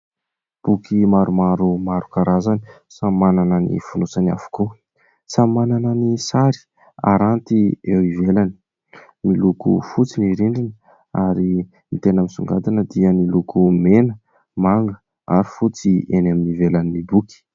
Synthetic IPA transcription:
b̥ukʰimaɾumaɾumaɾukaɾazani | sammanananḭfunusana̰vu̥ko | sammanananisaɾi̥ | a̰ɾant̪iewivelani̥ | milukṵfut͡siniɾiɳɖ͡ʐinə | aɾi | mit̪enamisuŋɡat̪inəd̪iənilukumenə | maŋɡə | a̰ɾifut͡sienaminivelaninibuki̥

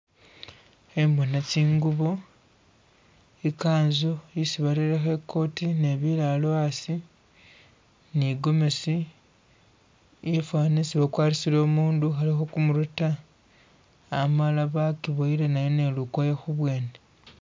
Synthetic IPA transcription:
emonat͡ʃiːŋɡuβo | ikaːnzoisiβaliɾexe̞kʰo̞ːtine̞βilaloasi | niɡo̞me̞si | efwaːnisiβakwaːlisilo̞ːmuːnduxalixokumuɾuta | malaβakiβoiɾenajone̞lukwojexuβwe̞ːne

